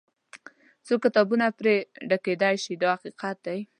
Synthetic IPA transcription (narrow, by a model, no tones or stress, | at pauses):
t͡sokːɪt̪ɑbunapɾeɖaked̪ajʃid̪ɑhaqiqat̪̚d̪aj